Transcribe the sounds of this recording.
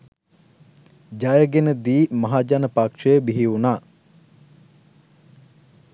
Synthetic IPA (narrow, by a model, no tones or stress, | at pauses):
d͡ʒajəɡenəd̪iːmaɦad͡ʒanəpakʂəjəbiɦiunaː